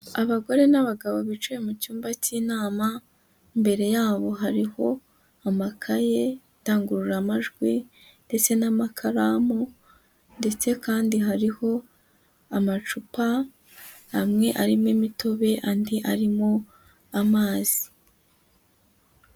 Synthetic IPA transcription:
aβaɡo̞ɾe̞naβaɡaβo̞βit͡ʃuje̞mucuːmbaciːnaːma | imbe̞ɾe̞jaːβo̞ɦaɾiho̞ | amakʰaje̞ | taːŋɡuɾuɾamaʒɡwi | nde̞t͡se̞namakʰaɾamo | nde̞t͡se̞kaːndiɦaɾiho̞ | amat͡ʃupa | hamŋe̞ʔaɾimwimito̞βe̞ʔandiʔaɾimo | amaːz̥i

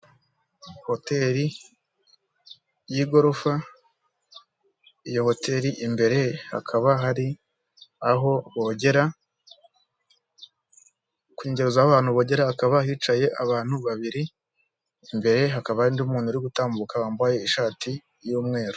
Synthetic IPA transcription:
ho̞te̞ɾi | jiɡo̞ɾofa | ijo̞ho̞tʰe̞ɾiʔimbe̞ɾe̞ha̰kʰaβaɦaɾi | aɦo̞βoɟe̞ɾa | kwiɲɟe̞ɾuzaːaβaːn̥huβo̞ːɟe̞ɾaːkaβahiːt͡ʃaje̞ʔaβaːn̥huβaβiɾiː | mbe̞ɾe̞ɦakaβaɾindumuːnuɾiɡutaːmbukahaːmbaje̞iʃaːti | juːmŋe̞ːɾo

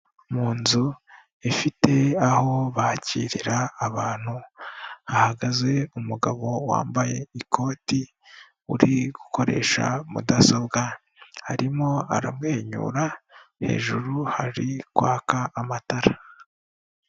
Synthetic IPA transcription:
muːnzu | efite̞aho̞βaciːɾiɾaːβaːn̥hu | ahaɡaze̞umuɡaβo̞wa̰ːmbaje̞ikʰo̞ːti | uɾiɡuko̞ɾe̞̰ːʃa̰mṵdaso̞bɡa | haɾimo̞a̰ɾamŋe̞ːɲṵɾahe̞̰ːʒuɾuhaɾikwaːkaːmataɾa

